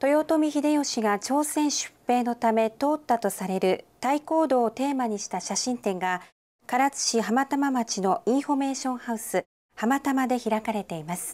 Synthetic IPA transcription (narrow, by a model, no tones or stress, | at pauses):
t̪o̞jo̞t̪o̞mʲiçid̪e̞jo̞ɕiɡat͡ɕo̞ːsẽ̞ɰ̃ɕɨ̥pːe̞ːno̞t̪ame̞t̪o̞ːt̪ːat̪o̞saɾe̞ɾɯ̟t̪aiko̞ːd̪o̞ːt̪e̞ːmaɲ̟iɕi̥t̪aɕaɕĩnt̪ẽ̞ŋɡa | kaɾat͡sɨ̥ɕiɦamat̪amamat͡ɕino̞ĩɰ̃ɸo̞me̞ːɕõ̞ɰ̃haɯ̟sɨ | hamat̪amad̪e̞çiɾakaɾe̞t̪e̞imasɨ̥